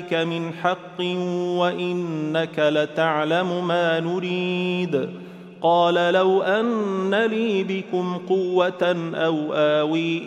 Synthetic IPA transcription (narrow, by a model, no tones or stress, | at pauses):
kamɪnħɑqːɨwaʔɪnːakalat̪aʕlamʊmaːnʊɾiːd̪ | qɑːlalawʔanːaliːbɪkʊmqʊwːat̪nʔawʔaːwiː